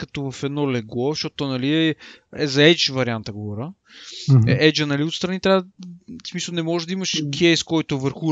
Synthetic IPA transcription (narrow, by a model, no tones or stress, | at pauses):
kɐt̪ɔvɐfɛd̪nɔlɛɡɔʃot̪t̪onɐliɛɛzɐɛt͡ʃvɐɾiant̪əɡovɔɾʲə | ɛd͡ʒənɐliot̪st̪ɾɐnit̪ɾʲavsmisəlˠnɛmɔʒɛd̪ɐimɐʃkʰɛjskɔjt̪ʊvəɾxu